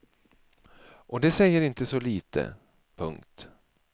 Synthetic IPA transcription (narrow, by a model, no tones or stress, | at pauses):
ʔɔd̪ɛsɛjːəɾɪnt̪əsɔliːt̪ʰə̰ | pʰɵŋkt̪